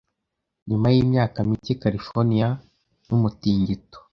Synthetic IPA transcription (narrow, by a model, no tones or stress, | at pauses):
ɲumajiːmɲaːkamicikaɾifoɾnija | numutiːɲɟito̥